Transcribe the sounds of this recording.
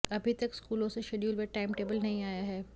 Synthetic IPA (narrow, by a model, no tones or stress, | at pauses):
ɐbʱit̪ɐkskuːlõseʃeːɖjuːlmeʈaːɪmʈeːbəlnɐɦĩaːjaɦɛː